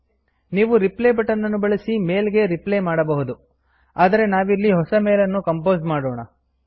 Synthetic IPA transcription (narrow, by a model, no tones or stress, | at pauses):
niːʋuɾipleːbɐʈːɐnːɐnːubɐɭisime̞ːlɡe̞ɾiplemaːɽɐbɐɦud̪u | aːd̪ɐɾe̞naːʋilːiɦɔsɐmeːlɐnːukɐmpo̞ːzmaːɽoːɳɐ